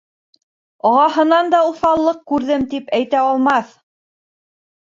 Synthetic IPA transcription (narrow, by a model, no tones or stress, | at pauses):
ɒʁɑhɤ̆nɑnd̪ɑuθɑlˠːɤq̚kʉɾðɘmt̪ipæjt̪æɑlˠmɑθ